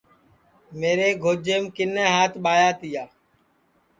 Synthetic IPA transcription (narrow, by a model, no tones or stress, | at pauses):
meːɾeːɡʱoːd͡ʒeːmkɪnẽːɦaːt̪ɓaːjaːt̪ɪjaː